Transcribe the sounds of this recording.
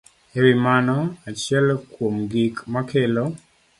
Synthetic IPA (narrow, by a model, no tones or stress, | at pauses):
ewimanɔat͡ʃjɛlkwomɡikmakʰelo